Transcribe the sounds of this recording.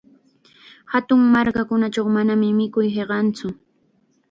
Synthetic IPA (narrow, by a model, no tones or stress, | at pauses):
hat̪ʊŋmaɾkakʊnat͡ʃawmanamɪmɪkʊjheɢɑnt͡sʊ